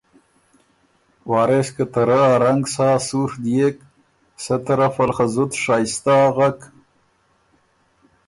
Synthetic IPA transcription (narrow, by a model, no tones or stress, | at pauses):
wɑːɾeskət̪aɾaːɾaŋɡsɑːsuʂd̪jek | sat̪əɾafalχazut̪ʂaːjst̪aːɣak